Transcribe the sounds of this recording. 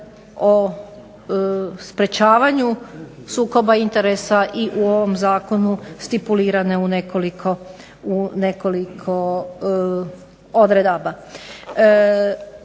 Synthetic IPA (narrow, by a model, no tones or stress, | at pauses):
o | spɾe̞t͡ɕaːʋaɲusuːko̞baint̪e̞ɾesaʔiʔuo̞ʋo̞mzaːko̞nust̪ipuliːɾane̞unekolikʰo | uneko̞likʰo̞ | od̪ɾed̪aba